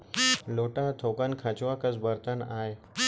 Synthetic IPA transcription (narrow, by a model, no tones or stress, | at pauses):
loːʈaɦt̪ʰoːkənkʰat͡ɕʋakəzbəɾt̪ənaːe